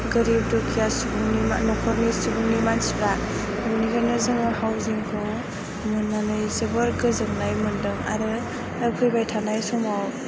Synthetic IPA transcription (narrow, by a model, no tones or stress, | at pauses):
ɡɯɾib̚dɔkʰijasubuŋnima̰nɔkʰɔɾnisubuŋnimansuɾa | mniɡanɯzɯŋɯhawziŋkʰɯw | mɯnːanɯjzɯbɔɾɡɯzɯŋnajmɯndɯŋa̰ɾɯ | kʰɯjbajtʰanajsɔmaw